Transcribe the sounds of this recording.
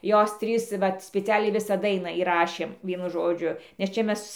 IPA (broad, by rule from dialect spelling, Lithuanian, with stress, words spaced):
ˈjoːs ˈtʲrʲiːs ˈʋɐt sʲpʲɪˈt͡sʲæːlʲɛɪ ˈʋʲɪsɑː ˈdɐɪnɑː iːˈrɑːʃʲeːm ˈʋʲiɛnʊ ˈʒoːd͡ʒʲʊ nʲɛs ˈt͡ʃʲɛ ˈmʲɛs